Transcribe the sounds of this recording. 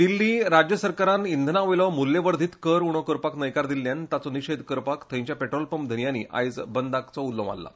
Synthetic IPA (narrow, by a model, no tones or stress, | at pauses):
d̪ilːiːɾad͡ʑjəsəɾkaɾanind̪ʱnaʋojlɔmulːeʋəɾd̪ʱiːt̪kəɾuɽ̃okəɾpaknəjkaɾd̪ilːjant̪at͡sɔniɕed̪ʱkəɾpakt̪ʰə̃j̃ɲt͡ɕjapeʈɾolpəmd̪ʱəɳjanḭʔa̰jd͡zbənd̪ʱakt͡sɔulːəʋa̰lːa̰